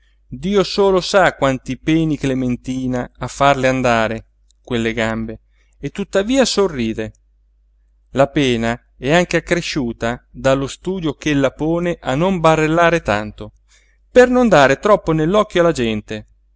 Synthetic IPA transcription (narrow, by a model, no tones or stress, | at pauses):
d̪iːosoːlosakwant̪ipɛːniklement̪iːnaafːarleand̪aːɾe | kwelːeɡambeː | t̪ːut̪ːaviːasorːiːd̪e | lapɛːna | ɛaŋkeakːɾeʃːuːt̪ad̪alːost̪uːd̪jokelːapoːneʔanːombarːelːaːɾet̪a̰nt̪o | pernond̪aːɾet̪ɾɔpːonelːɔkːjoalad͡ʒɛnt̪e